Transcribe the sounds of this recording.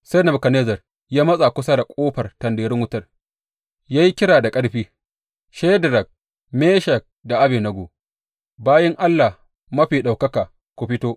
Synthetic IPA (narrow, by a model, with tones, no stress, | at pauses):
se˦nɐ˨bkɐ˨neː˦zɐ˨r | jaː˦mɐ˦sʼa˨kʷʊ˦sa˦da˨kʷʼoː˦ɸɐ˨rtɐ˨ndeː˨ɾɪ˦ŋwʊ˦tɐ˦˨r | jaː˦ji˦kʲɪ˦ɽaː˨da˨kʼɐ˦ɽɸiː˦ | ʃɛ˦dɾɐ˨k̚ | meː˦ʃɐ˨k̚da˨ʔa˦beː˨nɐ˨ɡoː˨ | baː˦jɐ˦ŋʔa˦lːa˨h | mɐ˦ɸiː˨ɗa˨wkɐ˦kaː˨ | kʷu˨ɸɪ˦toː˦ʔ